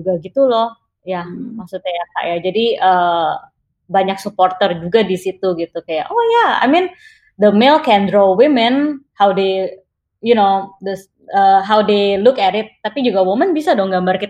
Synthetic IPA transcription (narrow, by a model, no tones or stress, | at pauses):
d͡ʒuɡaɡit̪ulɔh | jamaksut̪̚ɲajaka̰ʔjad͡ʒadiə | baɲak̚suport̪ərd͡ʒuɡadisit̪uɡit̪ukajaʔojaa̰jmɪn | d̪əmelkɛndɾowɪmɛnhawde | junodəs | əɦawdelukɛɾɪt̪̚ːapid͡ʒuɡawomənbisadɔŋɡambarki